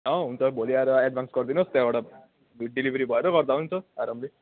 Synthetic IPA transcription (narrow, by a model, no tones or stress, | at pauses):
ʌ̃ɦunt͡sʌbʱoliaɾɛɖbʱanskʌɾd̪inʌst̪jaʋaɽa | ʋiʈ̚ɖiliʋɾibʱʌeɾʌkʌɾd̪aunt͡sʌaɾəmbli